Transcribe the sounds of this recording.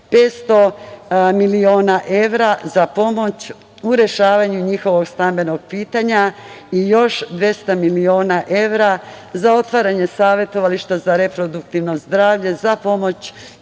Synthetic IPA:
pe̞ːt̪st̪o̞ | milio̞ːnaʔe̞ʋɾazapo̞mo̞t͡ɕ | uɾe̞ʃaːʋaɲuɲixo̞ʋo̞ɡst̪ambe̞noɡ̚piːt̪aɲa | ijo̞ʃd̪ʋje̞st̪amilio̞ːnaʔe̞ʋɾazao̞t̪ʋaːɾaɲe̞saːʋje̞t̪o̞ʋaliʃt̪azaɾe̞pɾo̞d̪ukt̪iʋno̞zd̪ɾaːʋʎe̞zapo̞mo̞t͡ɕ

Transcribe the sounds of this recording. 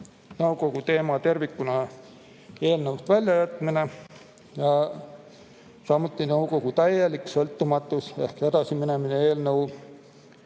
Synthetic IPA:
nɤwko̞ɡ̥ut̪e̞ːmɑt̪e̞rvikːˑunɑ | e̞ːlnɤust̪vælʲjɑjæt̪ˑmine | jɑ | sɑmːut̪ˑːinɤwko̞ɡ̥ut̪æjːeliksɤlt̪ːumɑt̪ːˑuse̞hked̪̥ɑsimine̞mineeːlnɤw

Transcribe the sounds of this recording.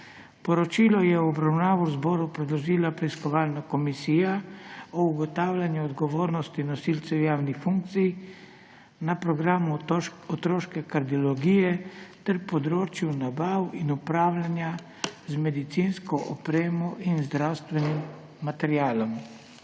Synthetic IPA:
pɔɾɔt͡ʃiːlɔjɛwɔbɾawnaːʋɔzbɔːɾupɾɛd̪lɔʒiːlapɾɛiskɔʋaːlnakɔmisiːjaɔuɡɔt̪aːwlʲanjuɔd̪ɡɔʋoːɾnɔst̪inɔsiːlt̪sɛwjaːwnixfuŋk̚t̪sij | napɾɔɡɾaːmuɔt̪ɾoːʃkɛkaɾd̪iɔlɔɡiːjɛt̪ɛɾpɔd̪ɾoːt͡ʃjunabaːwinupɾaːwlʲanja | zmɛd̪it̪sinskɔʔɔpɾeːmɔʔinzd̪ɾawst̪ʋɛnimː | at̪ɛɾjaːlɔm

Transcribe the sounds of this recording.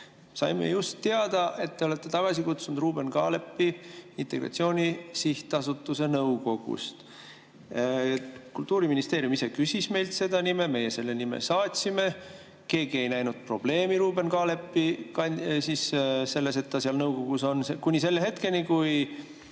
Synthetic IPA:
sɑ̰jmḛjust̪ːe̞ɑd̪̥ɑʔe̞t̪ːe̞o̞le̞t̪ːe̞t̪ɑɡ̥ɑsikut̪sunud̪ruːb̥e̞nkɑ̰ːle̞pːiint̪ˑe̞ɡ̥ɾrɑ̰t̪sio̞ːnʲisiht̪ɑsut̪ːˑuse̞nɤwko̞ɡ̥ṵst̪ | kult̪ːˑuːɾiminist̪e̞ːɾjumisekysʲisme̞jlt̪se̞d̪̥ɑnime̞me̞je̞se̞lːe̞nimḛsɑːt̪ʲsime̞ | ke̞ːɡ̥ie̞jnæjnud̪̥̚pro̞b̥le̞ːmiɾuːbe̞nkɑːle̞pːikɑnsisse̞lːe̞s̬et̪ːɑsiɑlnɤwko̞ɡ̥uso̞nsekunʲːise̞lːeɦe̞t̪ke̞nikuj

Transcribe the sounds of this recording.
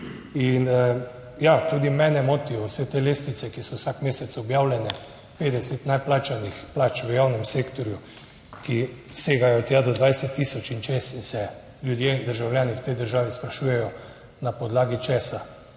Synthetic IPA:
in | jat̪uːd̪imɛːnɛmɔt̪ijɔwsɛt̪eːleːst̪nit̪sɛkisɔwsakmeːsɛt̪sɔbjaːwlʲjɛnɛ | peːd̪ɛsɛt̪najplaːt͡ʃanixplaːt͡ʃʋəjawnɛmseːkt̪ɔɾju | ki | seːɡajɔt̪jaːd̪ɔd̪ʋajsɛt̪ːiːsɔt͡ʃint͡ʃest̪insɛ | ljud̪jed̪əɾʒawljaːniwt̪ɛjd̪əɾʒaːʋispɾaʃuːjɛjɔ | napɔd̪laːɡit͡ʃɛːsa

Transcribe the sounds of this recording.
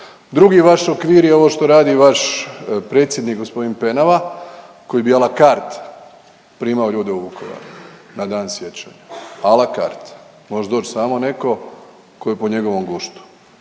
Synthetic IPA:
d̪ɾuɡiʋaʃokʋiːɾjeo̞ʋo̞ʃt̪o̞ɾaːd̪iʋaʃpɾe̞ːt̪sjed̪nikɡospo̞d̪inpe̞naʋa | ko̞jibialakaɾt̪ | pɾiːmaoʎuːd̪eubukʰo̰ʋa̰ɾu | nad̪aːnsje̞t͡ɕa̰ɲaalaka̰ːɾt̪ | mo̞ʒed̪oːt͡ɕsaːmo̞ne̞ko̞ | kojepoɲe̞ɡo̞ʋo̞mɡuʃt̪u̥

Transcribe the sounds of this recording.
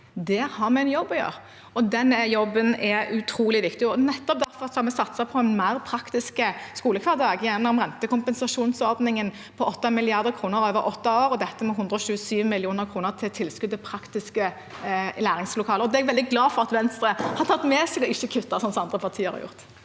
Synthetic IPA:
d̪ɛhɑɾmɛɪnjɔbːɔjø̰ːʁ | ɔd̪ɛnjɔbːənɛʉt̪ʰɾuːlɪʋɪkt̪ɪɔnɛt̪ːɔp̚d̪æɾfɔɾʁɑt̪sɔɑmɛsɑt̪sɑpʰɔɛnmæɪɾpʰɾɑkt̪ɪskəskuːləkʰʋɑd̪ɑːɡjænəɔmʁɛnt̪əkʊmpɛnsɑʂuːnsɔɾd̪nɪŋən | pʰɔʔɔt̪ːɑmɪlɪɑʁd̪əɾkʰɾuːnəɾøːʋəɾʔɔt̪ːɑoːɾɔd̪ɛt̪ːəmɛɦʊnd̪ɾəɔɕʉːəsyːʋmɪlɪuːnəʁkʰɾuːnəʁt̪ʰɪlt̪ʰɪlskʉd̪ɛpʰɾɑkt̪ɪskə | læːɾɪŋslʊkʰɑːləɔd̪ɛɛɡʋɛld̪ɪɡlɑːfɔʁɑt̪ʋɛnst̪ɾəhɑɾt̪ʰɑt̪ːmɛːsɛɪɡ̪ɔɪçːəkʰʉt̪ːɑsɔnsɔmɑnd̪ʁɾəpʰɑʁt̪ʰiːəɾhɑ̰ɾjʊ̰ʁt̪

